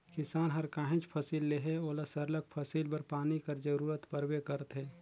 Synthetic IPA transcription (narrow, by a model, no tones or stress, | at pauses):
kɪsaːnɦəɾkãːɦẽt͡ʃpʰəsiːlːeɦeoːlasəɾlək̚pʰəsiːlbəɾpaːnikəɾd͡ʒəɾuːɾət̪pəɾwekəɾət̪ɦɛ̃ː